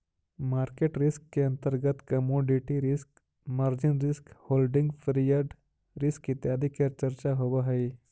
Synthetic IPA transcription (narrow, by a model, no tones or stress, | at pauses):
maːɾkeːʈɾɪskːeɐ̃nt̪əɾɡət̪kɐmoːɖɪʈiɾɪsk | maɾd͡ʒɪnɾɪskhoːlɖɪ̃ŋɡpʰɾijaɾɖ | ɾɪskɪt̪jaːd̪ikɐt͡ʃɐɾt͡ʃaɦobaɦɐi